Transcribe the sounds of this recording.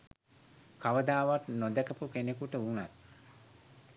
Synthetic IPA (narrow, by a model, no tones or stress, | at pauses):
kaʋəd̪aːʋaʈnod̪ɛkəpukenekuʈəunat̪̚